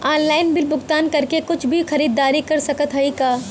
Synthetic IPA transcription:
aːnlaːɪnbɪlbʊɡt̪aːnkɐɾkekʊt͡ʃʰbʱixɐɾiːd̪ːaːɾikɐɾsɐkət̪ɦɐikaː

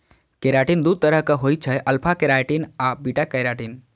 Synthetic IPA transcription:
keɾaːʈind̪ud̪̚t̪əɾəɦkəɦojt͡ʃʰəʔɐlpʰakeɾaːjʈinabiʈakəɾaʈin

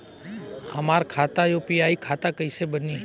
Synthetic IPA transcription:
ɦə̰maːɾkʰaːt̪ajoːpiaːikʰaːt̪akəisebəniː

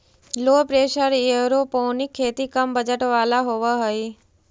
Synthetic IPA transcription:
loːpɾeːʃəɾjeɾopoːnikʰːeːt̪ikəmbəd͡ʒəʈʋalaɦoʋaɦəi

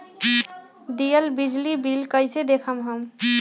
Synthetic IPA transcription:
d̪ijəlbid͡ʒlibilkəjsed̪ekʰəmɦəm

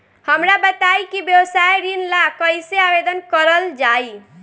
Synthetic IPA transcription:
həmɾabət̪ajkibjəwsajɾinlakəjseabed̪ənkəɾəld͡ʒai

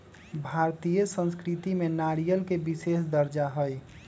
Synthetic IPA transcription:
bʱaɾt̪ijəsə̃nskɾit̪imenaɾijəlkebisesd̪əɾd͡ʒaɦəj

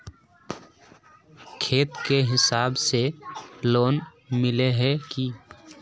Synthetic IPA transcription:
kʰeːt̪keɦɪsaːbseloːn | mɪleɦɛki

